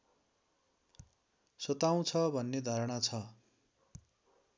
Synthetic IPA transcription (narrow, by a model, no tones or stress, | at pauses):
sʌt̪aw̃t͡sʰʌbʱʌnːed̪ʱaɾʌɽ̃at͡sʰʌ